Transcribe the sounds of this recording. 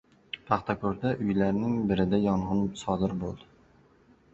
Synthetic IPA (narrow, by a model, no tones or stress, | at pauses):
pʰɑχt̪ʰakʰɵɾd̪aʔʊjlaɾnɪŋbɪɾɪd̪ajɒɴʁɨnsɒd̪ɪɾbo̰lˠd̪ɪ